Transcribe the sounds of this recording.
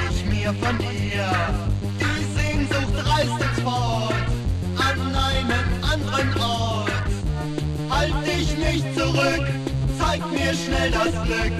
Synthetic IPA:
ɪçmiːɐfɔnʔiːɐ | d̥i | z̥eːnzʊxt̚d̥ʁaɪsɪçfɔt | ʔanʔaɪnənʔandəʁənʔɔɐt | haltɪçnɪçtt͡suʁʏkt͡saɪk̚tmiːɐʃnɛldasɡ̥lʏk̚

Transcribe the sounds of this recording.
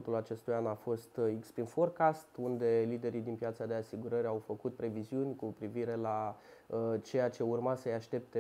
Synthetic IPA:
t̪ulat͡ʃe̞st̪ujanafo̞st̪ikspinforkast̪und̪e̞lid̪e̞ɾid̪inpjat̪sad̪e̞asiɡuɾəɾawfəkut̪̚pɾe̞viziunʲkupɾiviɾe̞la | t͡ʃe̞jat͡ʃe̞urmasəjaʃt̪e̞p̚t̪e

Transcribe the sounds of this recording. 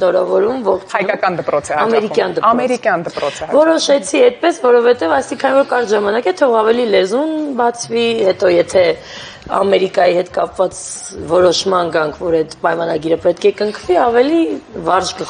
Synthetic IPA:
nɔɾavɔɾumvɔχt͡ʃʰhɑjkɑkɑnd̪əpɾɔt͡sʰɛɑmɛɾikjɑnd̪əɑmɛɾikjɑnd̪əpɾɔt͡sʰəvɔɾɔʃɛt͡sʰiɛjt̪̚pɛsvɔɾɔvhɛt̪ɛvɑjst̪ikʰɑnivɔɾkɑɾt̪ʒɑmɑnɑkɛt̪ʰɔʁɑvɛlilɛzunbɑt͡sʰvihɛt̪ɔjɛt̪ʰɛ | ɑ̰mɛɾikɑjihɛt̪kɑpvɑt͡s | vɔɾɔʃmɑnɡɑŋkʰvɔɾɛt̪pɑjmɑnɑɡiɾəpɛt̪̚kʰɛkəŋkʰviɑvɛlivɑɾʒkə

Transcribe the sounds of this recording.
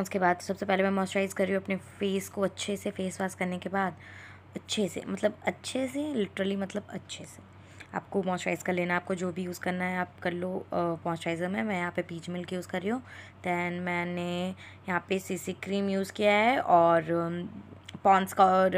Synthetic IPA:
ɔnskebaːd̪sɐbsepɛɦlemɛ̃mɔːsʈɾaːɪzkɐɾːiõɐpnefeːskoɐtːʃʰesefeːsʋaːskɐɾnekebaːd̪ | ɐtːʃʰesḛmɐt̪ləbɐtːʃʰeselɪʈɾəlimɐt̪ləbɐ̰tːʃʰese̥ | a̰ːp̚komɔːsʈɾaːɪzkaleːnaaːp̚kod͡ʒoːbʱijuːzkɐɾnaɦɛaːp̚kɐɾlomɔ̃ːsʈɾaːɪzəmɦɛ̃mɛ̃jɐɦãpepiːt͡ʃmɪlkejuːzkɐɾːiɦõːd̪̥ɛ̃ːnmɛ̃ːne | jɐɦãpesiːsikɾiːmjuːzkijaɦɛʔɔːɾ | pɔ̃ːnskaɔːɾ

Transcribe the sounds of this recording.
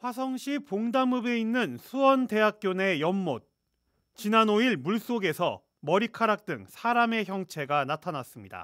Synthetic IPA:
ɸwasʰʌŋɕʰipoŋdamɯbe̞inːɯnsʰuʌnde̞ɦak̚k͈jone̞jʌmːot̚ | t͡ɕinanoiɭmuɭs͈oɡe̞sʰʌ̰ | mʌɾikʰaɾak̚t͈ɯŋsʰaɾame̞çjʌŋt͡ɕʰe̞ɡanatʰanas͈ɯmɲida̰

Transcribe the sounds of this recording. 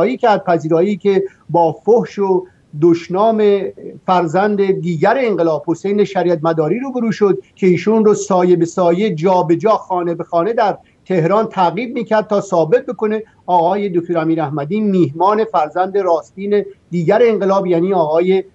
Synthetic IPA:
jiːcʰæɾd̪̚pʰæziːɾɒːiːcʲʰe̞ | bɒːfohʃo | d̪oʃnɒːme̞fæɾzænd̪ed̪iːɟæɾeːŋɢelɒːb̥ho̞sejne̞ʃæɾiːæt̪̚mæd̪ɒːɾiːɾuːbeɾuːʃod̪cʰe̞iːʃunrosɒːje̞besɒːjed͡ʒɒːbe̞d͡ʒɒːxɒːne̞be̞xɒːne̞d̪æɾ | t̪ʰe̞hɾɒːnt̪ʰæɣiːb̪̚miːcʰæɾd̪̚t̪ʰɒːsɒːbe̞t̪̚be̞ko̞ne̞ | ɒːɣɒːje̞d̪ok̚ʰt̪oɾæmiːɾæhmæd̪iːmiːhmɒːne̞fæɾzænd̪e̞ɾɒːst̪iːned̪iːɟæɾeːŋɢelɒːbjæːniːɒːɣɒːje

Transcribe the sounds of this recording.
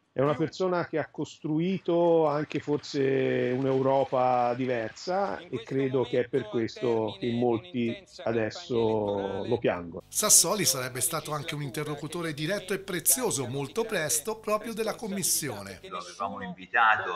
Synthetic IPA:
ɛunapersoːnak̟eakːost̪ɾuiːt̪oaŋkeforseunewɾɔːpad̪ivɛrsaekːɾeːd̪ok̟eɛpːerkwest̪ok̟emːolt̪i | ad̪ɛsːolopja̰ŋɡo̰nsasːɔːlisaɾɛbːest̪aːt̪oaŋk̟eunint̪erːokut̪oːɾed̪iɾɛt̪ːoepːɾet̪sːjoːzomolt̪opɾɛst̪opɾɔːpɾjod̪elːakomːisːjoːnḛloa̰vevaːmoiɱvit̪aːt̪o

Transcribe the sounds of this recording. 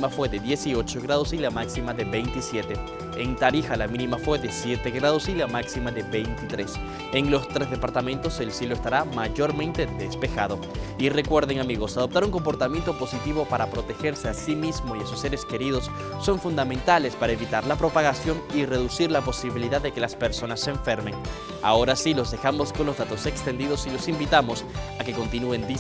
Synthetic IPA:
mafwe̞ðe̞ðje̞sio̞t͡ʃoɣɾaðo̞silamaksimaðe̞βejnt̪isje̞t̪e̞ | ent̪aɾixalamĩnimafwe̞ðe̞sje̞t̪eɣɾaðo̞silamaksimaðebejnt̪it̪ɾe̞s | eŋlo̞st̪ɾe̞zðepaɾt̪amẽ̞nt̪o̞se̞lsjeloest̪aɾamaʝo̞ɾmẽ̞nt̪e̞ðe̞spe̞xa̰ð̞o̞ | ire̞kwe̞ɾðeŋamiɣo̞saðo̞p̚t̪aɾuŋko̞mpo̞ɾt̪amje̞nt̪opo̞sit̪iβo̞paɾapɾo̞t̪e̞xe̞ɾse̞asimizmo̞iasusːe̞ɾe̞ske̞ɾiðo̞sː | o̞ɱfund̪amẽnt̪ale̞spaɾae̞βit̪aɾlapɾo̞paɣasjo̞ŋire̞ðusiɾlapo̞siβiliðaðːe̞ke̞laspe̞ɾso̞nasːeeːɱfe̞ɾme̞ŋ | a̰o̞ɾasilo̞zðe̞xamo̞sko̞nlozðat̪o̞se̞kst̪e̞nd̪iðo̞silo̞simbit̪amo̞sake̞ko̞nt̪inue̞nd̪i

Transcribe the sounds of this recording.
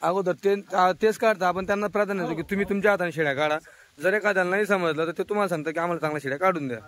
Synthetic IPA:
aɡot̪̬əɾt̪eat̪et͡skaɽt̪aːpəɳt̪janːapɾad̪anːat͡sok̬iːt̪um̤iːt̪umt͡ɕjaɦat̪aniɕeɽjakaɽa | d͡zəɾekad̪janːaɦiːs̬əməd͡zlat̪əɾt̪et̪um̤alas̬ãŋɡ̚t̪akiam̤alat͡sãŋɡlaɕeɽjakaɽuːnd̪ja

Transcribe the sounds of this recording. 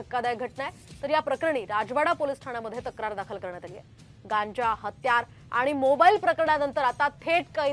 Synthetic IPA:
əkːad̪ajɡʱəʈɳajt̪əɾjapɾəkɾəɳ̃iːɾad͡ʑʋaɽapolisʈʰaɽ̃aməd̪ʱːjet̪əkɾaɾd̪akʰəlkəɾɳjat̪alijḛ | ɡãɲd͡ʑaɦət̪jaɾ | a̰ɽ̃imobailpɾəkəɾəɳjanənt̪əɾat̪at̪ʰeʈkəi

